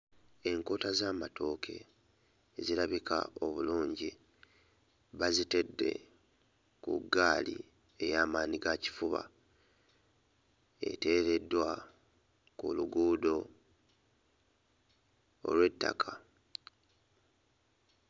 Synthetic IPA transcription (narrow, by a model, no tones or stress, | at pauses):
e̞ŋko̞ːtazaːmato̞ːkʰe̞̰ː | ziɾaβika̰o̞βuluːɲɟi | βazite̞dːe̞̰ | kṵɡːaːlḭ | e̞jaːmaːniɡaci̥fuβa̰ | e̞̰te̞ːɾe̞dːwa | kṵluɡuːdo̞ | o̞̰lwe̞tːa̰kʰa